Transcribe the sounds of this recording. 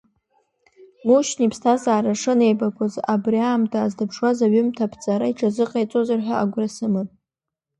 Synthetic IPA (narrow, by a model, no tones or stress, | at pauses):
muʃnipʰstʰazaːɾaʂɨne̞jbakʷʰazabriaːmtʰaːzdapʰʂwazaɥʏmtʰapʰt͡sʼaɾaiʈ͡ʂʰʼazɨqʼajt͡sʼozarħʷᶣaaɡʷrasɨmɨtʼ